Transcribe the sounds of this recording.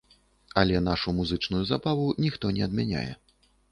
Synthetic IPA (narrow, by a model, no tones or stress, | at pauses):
ɐlʲɛn̪aʂumuzɨt͡ʂnujuzabavunʲixt̪ɔnʲɛɐd̪mʲanʲa̰jɛ̰